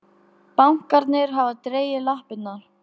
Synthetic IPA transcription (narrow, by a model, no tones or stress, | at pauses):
pawŋ̥kaɾt̪nɪɾɦavat̪ɾeːjɪlahpɪt̪nːaɾ̥